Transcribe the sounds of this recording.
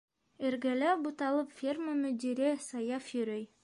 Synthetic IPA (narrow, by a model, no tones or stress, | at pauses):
ɘ̆ɾɡælæbut̪ɑlˠɤpfʲirməmɵ̆d̪iɾɘsɑjɑfjɵ̆ɾɵj